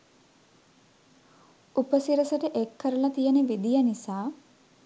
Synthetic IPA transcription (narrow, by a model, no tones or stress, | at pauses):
upəsiɾəsəʈəʔekʰːəɾəlɐt̪ijənəʋid̪ijanisaː